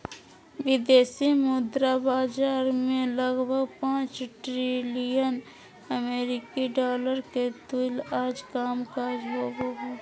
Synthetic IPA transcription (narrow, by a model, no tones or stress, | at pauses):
ʋɪd̪eːsimʊd̪ɾabaːd͡ʒaːɾmẽləɡbʱəɡpãːt͡ʃʈɾilijən | əmeːɾɪkiɖaːləɾket̪ulaːd͡ʒkaːmkaːd͡ʒɦoɡoɡeː